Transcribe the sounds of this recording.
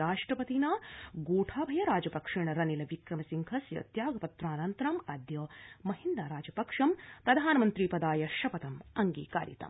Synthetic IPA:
aːʂʈɾɐpɐt̪inaːɡuːʈʰaːbʱɐjɐɾaːd͡ʒɐpɐkʂiɳɐɾɐnilɐʋikɾɐmɐsiŋkʰɐsjɐ̰t̪jaːɡɐpɐt̪ɾaːnɐnt̪ɐɾɐmɐd̪jɐːmɐɦind̪aːɾaːd͡ʒɐpɐkʂɐmt̪ɐd̪ʱaːnɐmɐnt̪ɾiːpɐd̪aːjɐʃɐpɐt̪ɐmɐŋɡḭːka̰ːɾjḭt̪ɐ̰m

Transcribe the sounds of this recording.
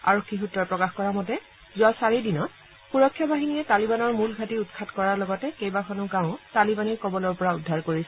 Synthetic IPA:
a̰ɹokʰːixutɹɔpɹɔkaxkɔɹamɔtɛ | zʊwasaɹidinɔt | puɹɔkʰːjabaɦinijɛtalibanɔɹmulɡʱatiutkʰatkɔɹaɹlɔɡɔtɛkejbakʰɔnʊɡãʊ̃talibaniɹkɔbɔlɔɹpɔɹaudʱːaɹkoɹisɛ

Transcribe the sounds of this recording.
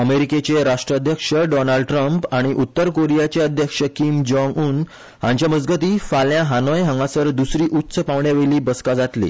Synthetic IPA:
əmeɾiket͡ɕeɾaʂʈɾəd̪ʱjəkʂəɖɔnaɭɖʈɾəmpaɽ̃iʔut̪ːəɾkoɾijat͡ɕeəd̪ʱjəkʂəkimd͡ʑɔ̃ŋɡuːn | hã̰ɲt͡ɕjaməd͡zɡət̪iːfaljãɦanɔjɦə̃ŋɡãsəɾd̪usɾiːʔut̪ːsəpaʋɳjaʋeliːbəskad͡zat̪lḭ

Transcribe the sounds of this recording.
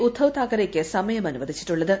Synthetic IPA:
ud̪ʰʱːɐʋt̪aːkɐɾekʲːɨsɐmɐjɐmɐnuʋɐd̪ʱit͡ɕːiʈːuɭːɐðɨ

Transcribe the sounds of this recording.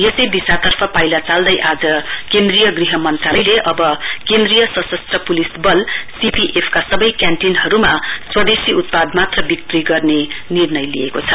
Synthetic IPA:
jesʌjbisat̪ʌrpʰʌpajlat͡sald̪ʌjʔad͡zʌkend̪rijʌɡriɦʌmʌnt̪rajleʔʌbʌkend̪rijʌsʌsʌst̪rʌpulisbʌlsipiʔepʰkasʌbʌjkjanʈinɦʌɾumaswʌd̪esiʔut̪̚pad̪mat̪rʌbik̚p̪riɡʌrnenirnʌjlḭjekot͡sʰʌ

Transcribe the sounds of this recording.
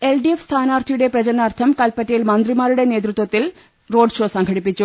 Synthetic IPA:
elɖiefst̪ʰaːnaːrt̪ʰijuɽe̞prɐd͡ʑɐnaːrt̪ʰɐmkɐlpɐtːɐjilmɐnd̪rimaːɾuɽe̞ne̞ːt̪rut̪wɐt̪ːil | ro̞ːɖʂo̞ːsɐŋkʰɐɽipːit͡ɕːu

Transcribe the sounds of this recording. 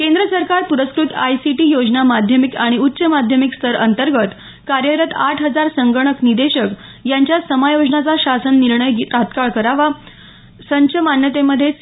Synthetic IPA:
kẽnd̪ɾəsəɾkaɾpuɾəskɾut̪ajsiʈiːjod͡znamad̪ʱjəmikaɽ̃iutːɕəmad̪ʱjəmikst̪ʰəɾənt̪əɾɡət̪ | kaɾjəɾət̪aʈʰɦəd͡zaɾsəŋɡəɳ̃əknid̪eɕək | jaɲt͡ɕjasəmajod͡znat͡saɕasənːiɾɳəjɡit̪at̪kaɭkəɾaʋa | səɲt͡ɕʰəmanjət̪eməd̪ʱːje

